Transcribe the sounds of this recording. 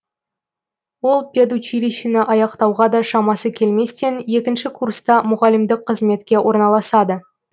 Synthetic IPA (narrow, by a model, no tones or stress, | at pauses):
wo̞lˠpʲed̪ut͡ʃiɾʲiʃinɪʔɑjɑqt̪ɑwʁɑd̪ɑʃɑmɑsəkʲʰe̞lme̞st̪e̞nje̞kʲɪnʃɪkʰurst̪ɑmʊʁɑlɪmd̪ɪqʰːəzme̞t̪kʲe̞wʔo̞ɾnɑlˠɑsɑd̪ə